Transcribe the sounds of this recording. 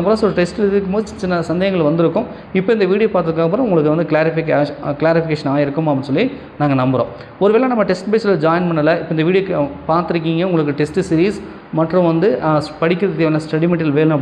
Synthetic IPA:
ɐpɐɾ̃slʈɛsʈɯlɾðɯk̬ːɯmboːðɯt͡ʃɪnːɐsɐnd̪ɐɣɐŋɡɐɭʋɐnd̪ɪɾɯkːʊ̃m | ɪpːoɪnd̪ɐʋiːɽɪjopaːɾt̪ːɯðɯkːaːɣɐp̬ːɯɾɐ̃ʊŋɡɐɭɯk̬ːɯʋɐnd̪ɯklaːɾɪfɪkːkɪlaːɾɪfɪkeːʂɐnaːɪɾɯkːɯmɐpːɪnsɔlːi | naːŋɡɐnɐmbɯɾõ̰ː | ɔɾɯʋeːlãnɐmːɐʈɛsʈbeːsɐlːɐd͡ʒaːjnpɐnːɐlɐɪpːoɪnd̪ɐʋiːɽijopaːɾt̪ɪɾɯkːiːŋɡɐʊŋɡɐɭɯkːɯʈɛsʈɯsɪɾiːs | mɐʈːrʊ̃ʋɐnd̪ɯpɐɽɪkːɾɐðɯt̪eːʋɐlɐsʈɐɽimɛʈːɐlʋeːlɐ̃ɐ

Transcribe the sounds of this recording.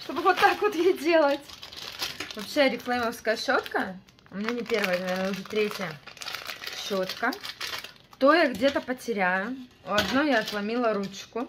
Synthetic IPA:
ʂt̪obɨvot̪ːakvot̪jejdʲe̞lˠətʲ | vɐpɕːejɾʲɪklˠajməfskəjəɕːot̪kə | ʊmʲɪnʲanʲɪpʲe̞rvəjənɐvʲernəʊʐɛt̪ɾʲetʲjə | ɕːot̪kə | t̪o̞jaɡdʲe̞t̪əpətʲɪɾʲæjʊ | ɐd̪nojjaːt̪lˠɐmʲilˠəɾut͡ɕkʊ

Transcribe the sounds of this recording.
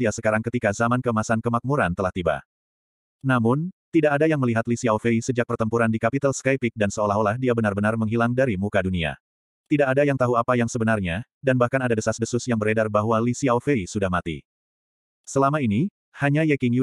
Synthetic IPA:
iasəkaɾaŋkət̪ikazamankəmasankəmak̚muɾant̪əlaht̪iba̰ | namʊnt̪idaʔadajaŋməliɦat̪lisiaofeisəd͡ʒak̚pərt̪əmpuɾandikapit̪alskaipɪk̚dansəolaɦolahdiabənarbənarməŋɦilaŋdaɾimukadunia̰ | t̪idaʔadajaŋt̪aɦuapajaŋsəbənarɲadanbahkanadadəsasdəsʊsjaŋbəɾedarbaɦwalisiaofeisudahmat̪ḭ | səlamaini | haɲajɛkiŋju

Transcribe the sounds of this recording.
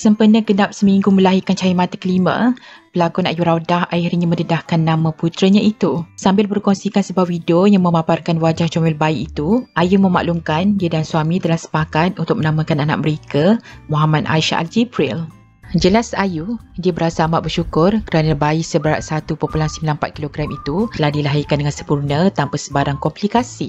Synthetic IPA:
səmpənəɡənap̚səmiŋɡuməlaɦikant͡ʃajimãt̪əkəlimã̰pəlakuna̰juɾawdahajiɾiɲamə̃dədahkanːãmãput̪ɾəɲãit̪usambɪlbərkɔŋsikansəbap̚widojaŋmə̃maparkanwad͡ʒaht͡ʃuamilbaiʔit̪uʔajumə̃ma̰ʔluŋkandiədansuamĩt̪əlahsə̥pakat̪̚unt̪ʊk̚mənamãkanana̰ʔ̚məɾekamɔɦamat̪a̰iʃa̰ʔa̰ld͡ʒipɾil | d͡ʒəlasajudiəbəɾasaːmaʔ̪̚bərʃukʊrkəɾanəbaiʔsəbəɾa̰ʔsat̪upopulansəmbilanpat̪̚kiloɡɾamit̪uəlahdilaɦikandəŋansəmpurnət̪ampasəbaɾaŋkɔmplikasi

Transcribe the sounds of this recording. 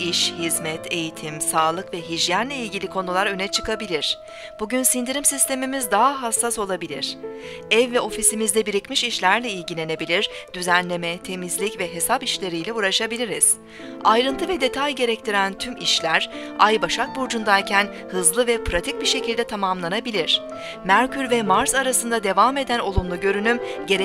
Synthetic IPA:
iʃhizmɛt̪ʰe̞jit̪ʰimsaːlˠɯkvɛɦiʒjanlʲɛilʲɟilʲikʰo̞nulˠaɾø̞nɛt͡ʃʰɯ̥kabilʲiɾ̥ | b̥uɟynsind̪iɾimsist̪ʰe̞mimizd̪aɦaɦasːaso̞lˠabilʲiɾ̥ | ɛvːɛo̞fisimizd̪ɛbiɾicmiʃiʃlʲæɾlʲɛilʲɟilʲe̞ne̞bilʲiɾ̥d̪yzænlʲe̞mɛt̪ʰe̞mizlʲicvɛɦe̞sapiʃlʲe̞ɾijlʲɛuːɾaʃabilʲiɾiz̥ | ajɾɯnt̪ʰɯvɛd̪e̞t̪ʰajɟe̞ɾɛct̪ʰiɾænt̪ʰymiʃlʲæɾ̥ajbaʃak̪̚buɾd͡ʒund̪aɾcʰæn | hɯzlˠɯvɛpʰɾat̪ʰic̚biʃe̞cʰilʲd̪ɛt̪ʰamamlˠanabilʲiɾ̝̥ | mæɾcʰyɾvɛmaɾzaɾasɯnd̪ad̪e̞vame̞d̪æno̞lˠumlˠuɟø̞ɾynymɟe̞ɾ

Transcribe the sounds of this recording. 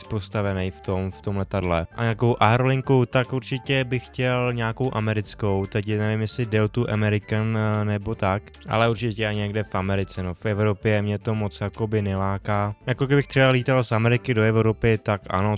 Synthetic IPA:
spo̞st̪avɛnɛjft̪o̞mft̪o̞mlɛt̪adlɛʔaɲaːko̞wʔaɦɾolɪŋkut̪akʔuɾt͡ʃɪcɛbɪxːcɛlɲaːko̞wʔamɛɾɪt͡sko̞wt̪ɛcnɛvɪmjɛsɪdɛot̪uʔamɛɾɪkanɛbo̞t̪ak | ʔa̰lɛuɾt͡ʃɪɛcɛaɲɛɡdɛfʔamɛɾɪt͡sɛnofɛvɾo̞pjɛmɲɛt̪o̞mo̞t͡sjako̞bɪnɛlaːkaːjakoɡdɪbɪxt̪r̥ɛbaliːt̪alsamɛɾɪkɪdo̞ɛvɾopɪt̪akʔa̰no̞

